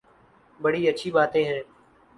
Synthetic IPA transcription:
bəɽiːətːʃʰibaːt̪ẽːɦɛ̃ː

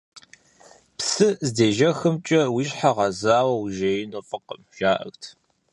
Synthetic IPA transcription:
psɨzdeːʒɐxɨmt͡ʃʼɐwiɕħaʁɐzaːwɐwʒejɪnofʼɨqə̰mʒ̥aːʔɐ̰xtʰ

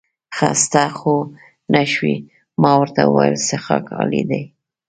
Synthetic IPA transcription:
xast̪axo | naʃwi | mɑwəɾt̪awəwajlsexɑkʰɑlid̪aj

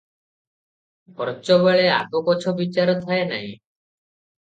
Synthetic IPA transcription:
bɔɾt͡ʃoβeɭea̰t̪okɔt͡ʃʰobit͡ʃaɾɔt̪ʰaena̰ɦĩ

